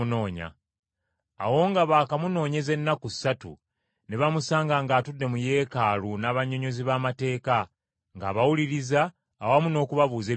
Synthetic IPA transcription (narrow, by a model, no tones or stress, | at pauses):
no̞ːɲa̰ː | wo̞ːŋɡaβaːkamuno̞ːɲe̞ze̞nːaku̥sːatṵ | neβamusaːŋɡaŋɡaːtudːe̞muje̞ːkaːlunaːβaɲːo̞ɲo̞ziβaːmate̞ːka | ŋɡa̰ːβawuliɾizaː | wamuno̞ːkuβaβuːze̞